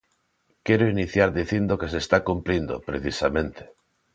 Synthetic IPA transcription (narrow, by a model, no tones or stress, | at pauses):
kɛɾoiniθjaɾðiθind̪okes̬est̪akumplind̪o̰pɾeθisamẽnt̪e̥